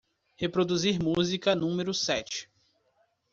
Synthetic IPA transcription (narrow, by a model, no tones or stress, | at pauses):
hepɾod̪uziɾmuzikɐnũmeɾʊsɛt͡ʃɪ̥